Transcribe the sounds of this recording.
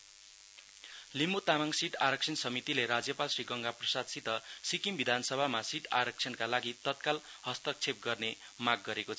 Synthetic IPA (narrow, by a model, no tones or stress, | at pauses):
limut̪amaŋsiʈaɾʌk̚t͡sʰʌnsʌmit̪ileɾad͡zjʌpalsriɡʌŋɡaprʌsad̪sit̪ʌsikimbid̪ʱansʌbʱamasiʈaɾʌk̚t͡sʰʌnkalaɡit̪ʌt̪kal | ɦʌst̪ʌk̚t͡sʰep̚ɡʌrne | maɡ̚ːʌɾekot͡sʰʌ